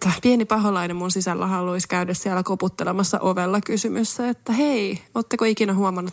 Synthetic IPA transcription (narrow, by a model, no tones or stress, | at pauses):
t̪ːɑpienipɑɦolɑinemmunsisælːæhɑloiskæydessiælækoput̪ːelemɑsːɑ̰ʔoʋelːɑkysymysːæet̪ːæɦeioːt̪ːekoikinæɦuɑmɑnːut̪